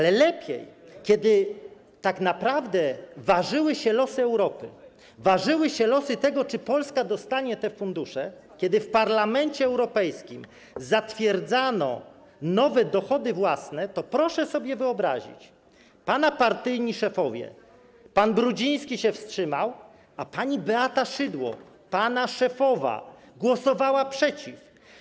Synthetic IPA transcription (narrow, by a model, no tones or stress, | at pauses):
alɛlɛpʲjɛ̰jkʲɛd̪ɘ | t̪aknapɾavd̪ɛvaʐɘwɘɕɛlɔsɘɛwɾɔpɘ̰ | vaʐɘwɘɕɛlɔsɘt̪ɛɡɔt͡ʂɘpɔlskad̪ɔst̪aɲɛt̪ɛfund̪uʂɛ | kʲjɛd̪ɘfpaɾlamɛnt͡ɕɛɛwɾɔpɛjskʲim | zat̪fʲjɛɾd̪zanɔ̰ | nɔvɛd̪ɔxɔd̪ɘvwasnɛt̪ɔpɾɔʂɛsɔbʲjɛvɘɔbɾa̰ʑḭt͡ɕ | panapaɾt̪ɘjɲiʂɛfɔvʲjɛ̰ | panbɾud͡ʑij̃skʲiɕɛfstʂɘmaw | apaɲibɛat̪aʂɘd̪wɔ̰ | panaʂɛfɔva̰ | ɡwɔsɔvawapʂɛt͡ɕif